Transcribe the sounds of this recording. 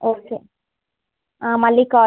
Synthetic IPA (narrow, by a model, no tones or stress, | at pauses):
oːkeː | ãːmɐlːikaː